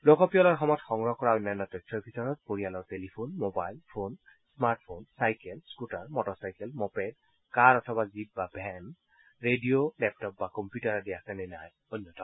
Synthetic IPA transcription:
lokɔpiɔlɔɹxɔmɔtxɔŋɹɔkɔɹaonːɔjnːɔtɔtʰɔɹbʱitɔɹɔt̚poɹijalɔɹtelipʰonmobajlpʰon | smaɹt̚pʰonsajkɛlskutaɹmɔtɔsajkɛlmɔpɛjd | kaɹɔtʰɔbazip̚babʱɛn | ɹediolɛp̚tɔp̚bakɔmpjutaɹadijasɛnɛnaj | onːɔtɔ

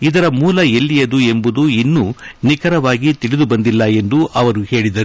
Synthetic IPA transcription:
id̪ɐɾɐmuːlɐelːijɐd̪ue̞mbud̪uinːunikɐɾɐʋaːɡit̪iɭid̪ubɐnd̪ilːɐe̞nd̪uʔɐʋɐɾuhe̞ːɭid̪ɐɾu

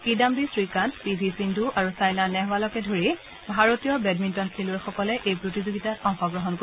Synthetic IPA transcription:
kidambisɹikantpizʱisinduʔaɹusajnanɛɦwalɔkɛdʱoɹi | bʱaɹotijɔbɛdmintɔnsʰilʊɛxɔkɔlɛʔejpɹotizoɡitatɔŋxɔɡɹɔɦɔnko

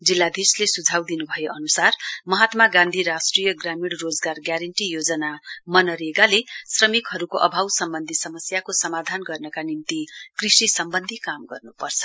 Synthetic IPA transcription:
d͡zilːad̪ʱislesud͡zʱawd̪inubʱʌjeʔʌnusarmʌɦat̪maɡãnd̪ʱiɾasʈrijʌɡramiɽrod͡zɡarɡjaɾʌɳʈijod͡zʌnamʌnʌɾeɡalesrʌmikɦʌɾukoʔʌbʱawsʌmbʌnd̪ʱisʌmʌsjakosʌmad̪ʱanɡʌrnʌkanint̪ikrisisʌmbʌnd̪ʱikamɡʌrnupʌrt͡sʰʌ̥

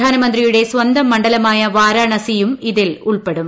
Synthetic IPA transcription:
aːnɐmɐnd̪rijuɽe̞sʋɐnd̪ɐmːɐɳɖɐlɐmaːjɐʋaːɾaːɳɐsijumiðɪluɭpeɽum

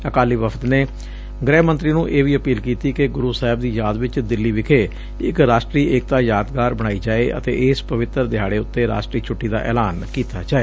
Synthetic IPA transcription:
əkaːliːʋəpʰə̥t̪neː | ɡɾɛːmənt̪ɾiːnũːʔeːʋiːəpiːlkiːt̪iːkeɡʊɾuːsaːɦɪb̚d̪iːjaːd̪ʋɪt͡ʃd̪ɪlːiːʋɪkʰeː | ɪkɾaːʃʈɾiːʔeːk̚t̪aːjaːd̪ɡaːɾbəɽ̃aːiːd͡ʒaːeːʔə̰t̪ḛːʔɪspəʋɪt̪əɾd̪ɪɦaːɽeːʊt̪ːeːɾa̰ːʃʈɾiːt͡ʃʰʊʈːiːd̪a̰ːʔɛ̰ːlaːnkiːt̪a̰ːd͡ʒaːeː

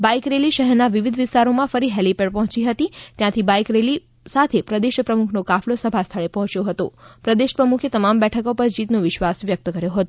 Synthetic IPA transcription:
baikɾeliʃəɦɛɾnaʋiʋid̪ʱʋɪst̪aɾomãfəɾiɦɛlipeɖpɔɦɔ̃t͡ʃiɦət̪it̪jãt̪ʰibajkɾeli | sat̪ʰepɾəd̪eʃəpɾəmukʰnokaflosəbʱast̪ʰəɭepɔɦɔ̃t͡ʃjoɦət̪o̰pɾəd̪eʃəpɾəmukʰet̪əmambɛʈʰəkopəɾd͡ʒit̪noʋɪʃʋasʋjək̚t̪əkəɾjoɦət̪o

